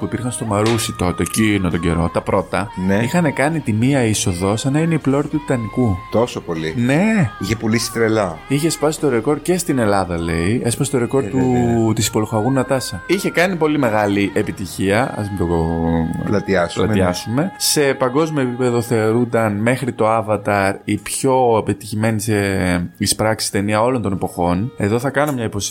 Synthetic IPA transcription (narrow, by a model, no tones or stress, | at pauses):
puipiɾxɐnst̪o̞mɐɾusit̪o̞t̪e̞cinot̪oɟe̞̰ɾo̞̰t̪ɐpɾo̞t̪ɐneixɐne̞kɐnit̪imiɐiso̞ðo̞sɐnɐineiplo̞ɾt̪ui̥t̪ɐnikut̪o̞sopo̞line̞içepulisi̥t̪ɾelɐiçespɐsist̪o̞ɾeko̞ɾd̪̚ce̞st̪ine̞lɐðɐle̞iespɐsst̪o̞ɾe̞ko̞ɾd̪ut̪isi̥po̞loxɐɣunɐt̪ɐsɐiçe̞kɐnipo̞lime̞ɣɐliʔe̞pit̪içiɐɐ̰zmit̪o | lɐt̪iɐslɐiɐsume̞se̞pɐŋɡo̞zmiopipe̞ðo̞θe̞oɾund̪ɐnme̞xɾit̪o̞ɐvɐt̪ɐɾipço̞epet̪içime̞niseispɾɐksi̥st̪e̞niɐo̞lo̞nt̪o̞nepo̞xo̞ne̞ðo̞θɐkɐno̞mɲɐipo̞s